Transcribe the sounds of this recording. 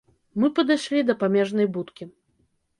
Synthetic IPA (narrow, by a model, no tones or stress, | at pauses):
mɨpɐd̪ɨjʂlʲid̪ɐpamʲɛʐnɐjbut̪kʲi